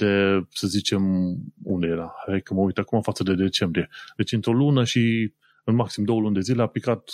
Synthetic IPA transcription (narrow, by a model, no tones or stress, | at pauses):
d̪̥e̞səzit͡ʃe̞mṵnd̪e̞jeɾaekəməujt̪akumafat̪səd̪e̞d̪e̞t͡ʃe̞mbɾije̞d̪e̞t͡ʃʲɨnt̪ɾo̞lunəʃi | ɨnmaksimd̪o̞wəlund̪e̞zileaplikat̪